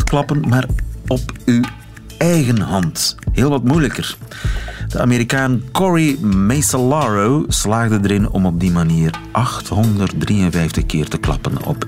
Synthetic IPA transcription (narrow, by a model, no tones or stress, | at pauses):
ə̥klɑpənmaːrɔpy | ɛjɣənɦɑntɦɪːlˠʋɑtmujləkər | d̥əa̰meɾikaːnkɔɹimɛsəlaɹowslaːɣdədəɾɪnɔ̰mɔb̚dimaniːrʔɑxtɦɔndərt̚driənvɛjftəxkɪːrtəklɑ̰pənɔ̰p